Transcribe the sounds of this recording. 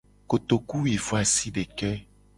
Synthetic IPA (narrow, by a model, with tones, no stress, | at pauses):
ko˨t̪o˨ku˦wi˨fo˦a˨si˦ɖe˨kɛ˦